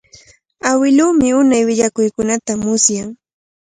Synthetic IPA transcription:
awɪluːmɪʊnajwɪʎakʊjkʊnat̪amʊsjaŋ

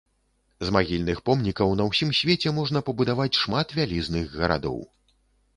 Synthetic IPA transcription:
zmaɣʲilʲnɨxpɔmnʲikɐwnɐwsʲimsʲvʲet͡sʲɛmɔʐnɐpɐbud̪avat͡sʲʂmat̪vʲalʲiznɨɣɣɐɾa̰d̪ɔ̰w

